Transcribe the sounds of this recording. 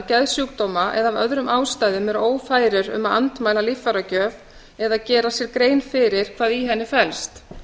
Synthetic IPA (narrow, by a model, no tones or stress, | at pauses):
cɛðsjuːk̚t̪ɔːmaʔɛðavœ̰ðɾʏmaːwst̪aːjðʏmɛɾoːwfaːjɾɪɾʏ̰maða̰nt̪maːjlalɪfaɾacœːv | ɛðaðcɛːɾasjɛɾkɾeːjnfɪɾɪɾ̥kʰv̥aːðiɦɛnːɪfɛlst̪